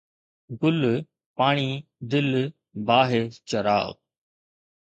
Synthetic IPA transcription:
ɡʊl | paːɳ̃iːd̪ɪl | baːɦet͡ʃɐɾa̰ː

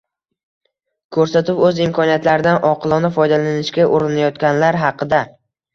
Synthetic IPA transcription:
kʰɵɾsat̪ɪpɵzɪmkʰɒnijat̪laɾɪd̪anɒqʰɨlˠɒnɪfɒjd̪alanɪʃkʲaʔoɾɪnajɒt̪kʲanlaɾɦɑqʰɨd̪a

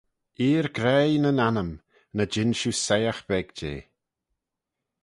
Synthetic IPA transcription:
iːɾɡɾɛjnənanəm | nəd͡ʒɪnʃusɛjaxb̥ɛɡ̥d͡ʒḛː

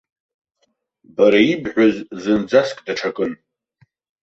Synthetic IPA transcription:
baɾaibʕʷᶣazzɨnd͡zaskʼdaʈ͡ʂʰakʼɨn

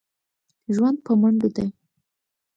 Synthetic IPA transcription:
ʒwand̪̚pəmaɳɖod̪a

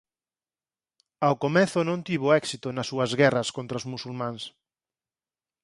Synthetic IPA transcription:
awkomɛθʊnõnt̪iβ̞oɛksit̪ʊnɐsːuɐzɣɛrɐskont̪ɾɐozmusulmãns

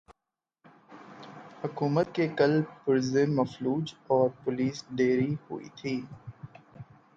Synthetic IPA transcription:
hʊkuːmət̪̚kekɐlpʊɾzemɐfluːd͡ʒɔːɾpʊliːsɖeːɾihʊ̰ḭt̪ʰiː

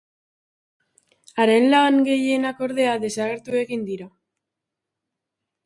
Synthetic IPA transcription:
aɾe̞nlaŋɡe̞je̞nako̞ɾðe̞aðe̞saɣ̞e̞ɾt̪ue̞ɣind̪iɾa

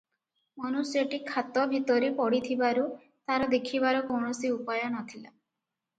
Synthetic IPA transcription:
mɔnusjɔʈikʰːat̪ɔbʱit̪ɔɾipɔɽit̪ʰibaɾu | t̪aɾɔd̪ekʰiβaɾɔkɔɳɔsiupajɔnɔt̪ʰila

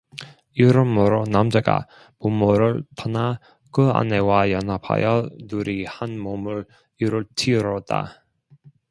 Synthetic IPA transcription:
iɾɯmːoɾonamd͡ʑaɡa̰ | pumːoɾɯɭtʰʌna | kɯa̰ne̞wajʌnapʰa̰jʌnuɾihanmomuɾ | iɾɯɭtʰiɾʌda̰

